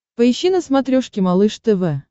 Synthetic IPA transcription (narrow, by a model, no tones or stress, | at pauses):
pəɪɕːinəsmat̪ɾʲoʂkʲɪmalˠɨʂt̪əvɛ